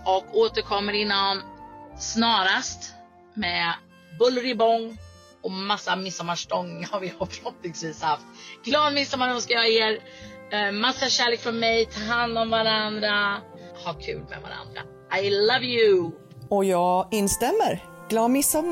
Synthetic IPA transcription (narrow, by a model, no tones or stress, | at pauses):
ɔkoːt̪əɾkʰɔmːəɾɪnːansnɑːɾast̪ | mɛ | bɵlɾɪbɔŋː | ɔmasːamɪsːamːaʂʈɔŋːhaɾvɪhapʰɔnɔt̪̚nɪŋsviːshaft̪ɡ̥lɑːd̪mɪsːamaɾɔmskajɑeːɾ | masːaɕæːɭeːkfœɾmɛjt̪ʰɑːɦand̪ɔmvaɾand̪ɾa | hakʰʉ̰ːlmɛ̰va̰ɾa̰nd̪ɾa̰ | ʔajlʌvjʉ | ɔjɑːɡɪnst̪ɛmːəɾ | ɡ̥lɑːd̪mɪsːa